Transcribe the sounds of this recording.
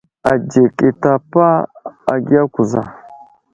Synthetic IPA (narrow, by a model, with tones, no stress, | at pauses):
a˨d͡ʒe˨ki˨ta˨pa˦a˨ɡi˦a˦ku˨za̰˨